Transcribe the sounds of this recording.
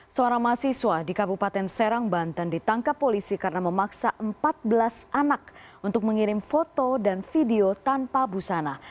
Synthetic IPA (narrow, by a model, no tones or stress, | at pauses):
səoɾaŋmaasiswadikabupat̪ɛnsɛɾaŋbant̪andit̪aŋkapːolisikaɾənaməmaksaʔəmpat̪̚bəlasanakunt̪ʊk̚məŋiɾɪmfot̪odanfideot̪anpabusana